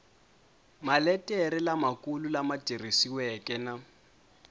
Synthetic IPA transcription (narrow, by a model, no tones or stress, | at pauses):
malɛtʼɛɾɪlamakʼululamatirisiwɛkʼɛna